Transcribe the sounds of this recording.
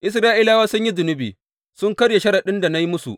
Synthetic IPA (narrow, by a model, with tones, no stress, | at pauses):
ʔɪ˦s̬ɾaː˦ʔiː˦laː˦waː˦sʊ˦ɲji˦zʊ˨nɪ˦bḭː˨ | sʊ˦ŋkɐ˦ɽje˨ʃɐ˦ɽa˨ɗɪ˦nda˨na˦ji˦mʊ˦sṵ˨ʔ